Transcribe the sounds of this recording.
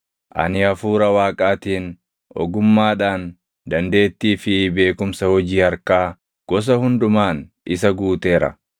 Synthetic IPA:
ʔɐ̰nɪɐfuːɾɐwaːkʼaːt̪iːn | ʔɔ̰ɡʊmːaːᶑaːn | d̪ɐnd̪e̞ːt̪ːiːfɪbe̞ːkʊmsɐhɔd͡ʒiːhɐɾkaː | ɡ̥ɔs̬ɐhʊnd̪ʊmaːn | ʔɪs̬ɐɡuːt̪e̞ːɾɐ̰

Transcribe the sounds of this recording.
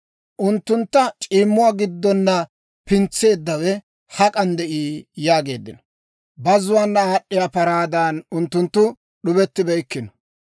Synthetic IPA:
ʔʊnt̪ːʊnt̪ːɐt͡ʃʼiːmːʊwaːɡɪd̪ːɔnːɐ | pɪnt͡sːe̞ːd̪ːɐwɛ | hɐkʼɐnd̪ɛʔiːjaːɡe̞ːd̪ːɪnɔ̥ | bɐzʊwaːnːɐaːɗːɪjaːpɐɾaːd̪anʊnt̪ːʊnt̪ːʊ | ɗʊbɛt̪ːɪbɛjkːɪnɔ̥

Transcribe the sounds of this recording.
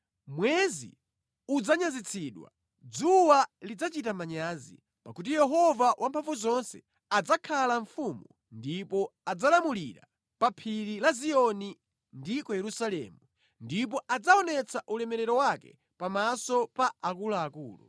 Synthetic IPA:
mwɛzḭ | ud͡zaɲazit͡sʰiɗwa̰ | d͡zuwalid͡zat͡ʃit̬amaɲaːzḭ | pakut̬ijɛɦɔvawampʰaɱvuzɔnsɛ | ad͡zakʰalaɱfumu | ndipɔad͡zalamuliɾa̰ | papʰiɾilaziɔni | ndikɔjɛɾusalɛ̰ːmu | ndip̬ɔʔad͡zaɔnɛt͡sʰaʔulɛmɛɾɛɾɔwakɛ̰ | pamasɔpaakulaːkuːlṵ

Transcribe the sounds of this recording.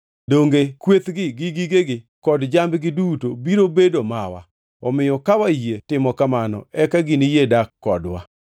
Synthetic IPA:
doŋɡekwet̪ɡɪɡɪɡiɡeɡɪ | kɔdd͡ʒambɡɪdutobiɾobedomawa̰ | ɔmɪjɔkawajietɪmɔkamanɔ̰ɛkaɡɪnijedakːɔdwa̰

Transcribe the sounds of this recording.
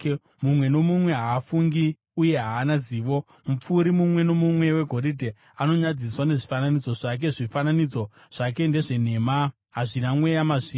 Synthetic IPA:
mumwe̞no̞mumwe̞ɦaːfuŋɡi | uje̞ɦaːnaziːʋo̞ | mup͡fuːɾimumwe̞no̞mumwe̞we̞ɡʱo̞ɾidʱe | ano̞ɲad͡ziswane̞ʐifananid͡zo̞ʐak̬e̞ʐifananid͡zo̞ | ʐ̥ake̞nde̞ʐe̞ne̞ma | ɦaʐinamwe̞jamaʐiː

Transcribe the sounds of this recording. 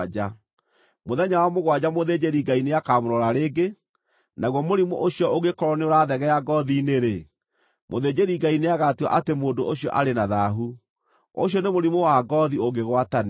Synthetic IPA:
d͡ʒa | moðɛɲawamoɣwad͡ʑamoðed͡ʑeɾiɡaineakamoɾɔɾaɾeːɡe | naɣwɔmoɾimɔ̰ʔoɕjɔoɣekɔɾɔneoɾaðɛɣɛjaɡɔðineɾe | mo̰ðed͡ʑeɾiɡaineaɣatiwa̰ʔatemoːndoʔoɕjɔ̰ʔaɾenaðaɦu | o̰ɕjɔnemoɾimowaɡɔðioɡeɣwatan

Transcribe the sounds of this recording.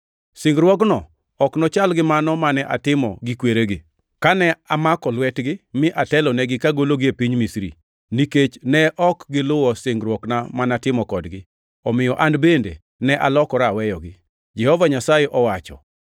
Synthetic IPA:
sɪŋɡɾwɔknɔ | ɔknɔt͡ʃalɡɪmanɔmanɛʔatɪmɔ̰ɡɪkweɾeɡɪ | kanɛamakɔlwɛtɡɪmɪʔatɛlɔnɛɡɪkaɡoloɡɪepiɲmisɾḭ | niket͡ʃnɛʔɔkɡɪlʊwɔsɪŋɡɾwɔknamanatɪmɔkɔdɡɪ | ɔmɪjɔʔandbendḛ | nɛʔalɔkɔɾawɛjɔɡɪ | d͡ʒɛhɔvaɲasajɛʔɔwat͡ʃɔ̰

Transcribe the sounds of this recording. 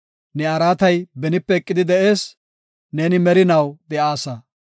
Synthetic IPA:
nɛɐɾaːt̪ɐjbɛnɪpːɛɛkʼːɪd̪ɪd̪ɛʔe̞ːs | ne̞ːnɪmɛɾɪnɐwd̪ɛʔaːsɐ

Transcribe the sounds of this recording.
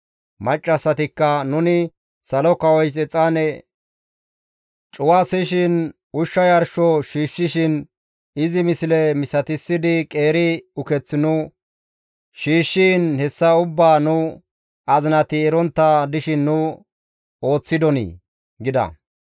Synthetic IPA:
mɐt͡ʃʼːɐsːɐt̪ɪkːɐnʊnɪ | sɐlɔkɐwɔjs̬ɛt͡sʼːaːnɛ | t͡ʃʼʊwaːsɪʃɪn | ʊʃːɐjɐɾʃɔʃiːʃːɪʃɪn | ɪzɪmɪsɪlɛmɪsɐt̪ɪsːɪd̪ɪkʼe̞ːɾɪʊkɛt͡sːɪnʊ | ʃiːʃːiːnhɛsːɐʊbːaːnʊ | ɐzɪnɐt̪ɪɛɾɔnt̪ːɐd̪ɪʃɪnːʊ | o̞ːt͡sːɪd̪ɔnḭː | ɡɪd̪ɐ̰

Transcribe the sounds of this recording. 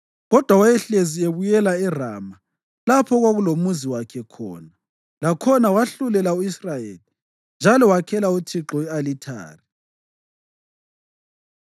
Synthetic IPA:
ɣɔd̥ʱwawajɛɬezieβujɛlaɛra̰ːma | lapʰɔɣwaɣulomuziwakʰɛkʰɔ̰ːna | lakʰɔnawaɬulɛlauisrajeli | nd͡ʒʱalɔwakʰɛlautʰiǁɔialitʰa̰ːri

